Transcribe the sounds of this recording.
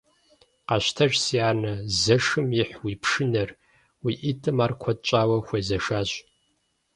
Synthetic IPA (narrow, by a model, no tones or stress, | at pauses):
qɑɕtʰɐʒsiaːnɐzɐʂɨmjɪħwiːpʰʂɨnɐr | wiːʔitʼɨmaːrkʷʰɔd̚t͡ʃʼaːwɐxʷeːzɐʂaːɕ